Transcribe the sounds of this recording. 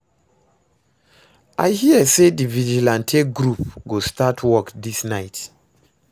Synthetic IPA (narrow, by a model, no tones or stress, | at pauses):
ʔa̰ɪhiəsedivid͡ʒilãntʰeɡɹupɡostatʰwɔkdisnaɪt